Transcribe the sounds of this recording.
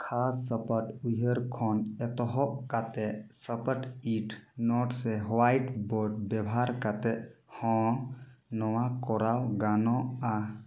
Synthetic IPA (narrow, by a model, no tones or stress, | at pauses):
kʰasːəpəʈuɦəɾkʰɔnɛt̪ɔɦɔʔkat̪ɛʔsəpəʈiʈʰnɔʈsɛɦwajʈbɔɖ̚bɛbʱaɾkat̪ɛʔ | hɔ̃ | nɔwakɔɾawɡanɔa